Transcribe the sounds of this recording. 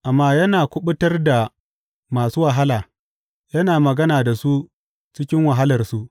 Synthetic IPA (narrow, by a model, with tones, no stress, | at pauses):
ʔa˨mːaː˦jɐ˦naː˨kʷʊ˦ɓʊ˦tɐ˦rda˨ | maː˨suː˦wa˨ɦa˦laː˨ | jɐ˦naː˨mɐ˨ɡɐ˦naː˨da˨su˦ | t͡ʃɪ˦kʲɪ˦ŋwɐ˨ɦa˦lɐ˨rsu˦ʔ